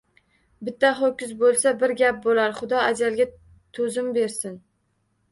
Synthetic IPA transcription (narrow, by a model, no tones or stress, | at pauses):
bɪt̪ːaχɒkʲɪzbolˠsabɪɾɡʲap̚bolaɾχʊd̪ɒad͡ʒalˠɡʲa | t̪ʰɵzɪmbeɾsɪn